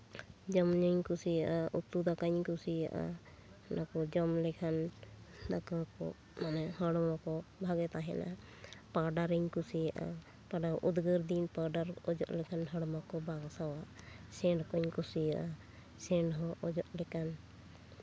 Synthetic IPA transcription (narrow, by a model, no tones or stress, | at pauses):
d͡ʒɔmɲɔɲkusijaʔaʔut̪ːud̪akaɲkusija̰ʔa̰ | nakɔd͡ʒɔmlɛkʰand̪akakɔ̰ | manɛhɔɽɔmakɔbʱaɡɛt̪aɦɛna | paɾɖaɾiɲkusijaʔa̰ | paɖaʔud̪ɡəɾd̪inpaɖaɾɔd͡ʒɔʔlɛkʰanɦɔɽɔmakɔbʱaɡasawasɛɳɖkɔɲkusijaʔa | sɛɳɖɦɔɔd͡ʒɔʔlɛkan